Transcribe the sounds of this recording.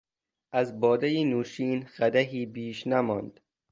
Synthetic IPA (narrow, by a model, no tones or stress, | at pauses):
ʔæzbɒːd̪æjinuːʃiːnɣæd̪æɦiːbiːʃnæmɒ̰ːnd̪